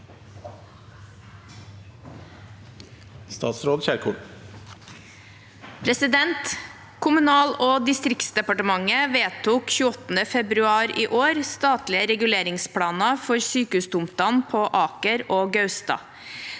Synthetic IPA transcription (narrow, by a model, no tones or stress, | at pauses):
st̪ɑ̰ːt̪sɾoːd̪çæːɾkʰʊʈ | pʰɾɛsɪd̪ɛnt̪ | kʰʊmʉnɑːloːd̪ɪst̪ɾɪkt̪sd̪ɛpɑʈəmɑŋəʋeːt̪ʰuːkçʉːɔt̪n̩əfɛbɾʉɑːɾiːʔoːɾst̪ɑːt̪lɪəɾɛɡʉleːɾɪŋspʰɽɑːnɑfɔɾsyːkəʉːsd̪ʊmt̪ɑnpʰoːʔɑːkəɾoːɡɑʉst̪ɑ̰ː